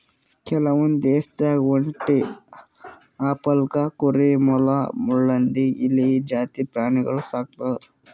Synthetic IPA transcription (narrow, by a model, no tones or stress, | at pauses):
kɛlɐʋund̪eːst̪aɡʋɐɳʈi | aːpɐlkɐkuɾimɔlɐmuɭːɐnd̪iilːid͡ʒaːt̪ipɾaːɳiɡɐɭusaːk̚t̪ɐɾ